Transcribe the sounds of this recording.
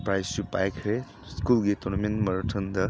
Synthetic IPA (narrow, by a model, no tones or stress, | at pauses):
pɾajsupajkʰɾe | skulɡet̪ɔnɐmẽnmɐɾtʰənd̪ɐ